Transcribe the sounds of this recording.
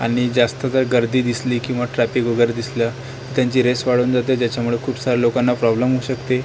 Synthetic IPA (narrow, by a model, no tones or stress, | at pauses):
a̰ɽ̃id͡zast̪ət̪əɾɡəɾd̪iːd̪isliːkĩw̃ʋaʈɾæpikʋəɡəɾd̪isla | it̪jaɲt͡ɕiːɾesʋaɽ̤uːnd͡zat̪ed͡ʑjat͡ɕamuɭekʰuːbsaɾalokanːapɾɔbləmɦuɕəkt̪e